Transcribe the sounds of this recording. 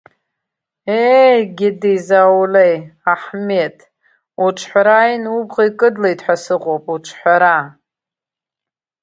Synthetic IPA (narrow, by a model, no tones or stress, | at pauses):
ejɡʲɪdizawlejaħme̞tʼ | uʈ͡ʂʷʰħʷaɾajnubʁaikʼɨdlejtʰħʷᶣasɨqʼowpʼuʈ͡ʂʷʰħʷaɾa